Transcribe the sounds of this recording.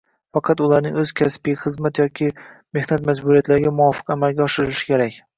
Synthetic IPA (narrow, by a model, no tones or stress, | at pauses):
fɑqʰɑt̪ʊlˠaɾnɪ̰ŋɵzkʲʰaspijχɨzmat̪jɒkʲʰɪ | me̞hnat̪mad͡ʒbʊɾijat̪laɾɪɡʲamʊwɒfɨ̥qamalɡʲaɒʃɪɾɪlɪʃɪ̥kʲʰe̞ɾakʲ